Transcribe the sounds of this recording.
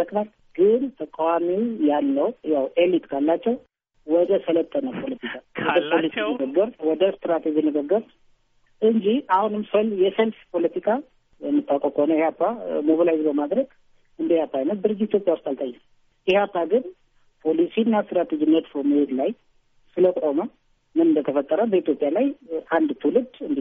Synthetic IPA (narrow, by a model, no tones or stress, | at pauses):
əkʼnal | ɡ̥ɨnt̪ʰəkʼawamiwjalːəwjawʔelit̪kʰalːat͡ʃːɛw | wɔd̪əsələt̪ʼʰːənəpʰo̞lət̪ʰikʰʼawɔd̪əpʰo̞lisinɨɡəɡːəɾwɔd̪əst̪ɾat̪ʰed͡ʒinɨɡəɡːəɾ | ʔɨɲd͡ʒiahunɨmsəljɛsəlfpʰo̞lət̪ʰikʰʼa | jɛmːɨt̪ʼːakʼəkʰəhonəjɛhapːamobalajzbəmad̪ɾəɡ | ɨnəhjhapʰːaajnət̪̚d̪ɨɾɨd͡ʒɪtit̪ʰjopʼjawʊst̪alt̪ʼajːɛ | ihapːaɡɨn | pʰo̞lisinːast̪ɾat̪ʰed͡ʒɪnːət̪foməhe̞d̪laj | sɨləkʷʼomə | mɨnɨnd̪ət̪ʰəfət̪ʼːəɾəbəit̪ʰjo̞pʼjalajand̪t̪ʰːulɨd̪ɨnd̪i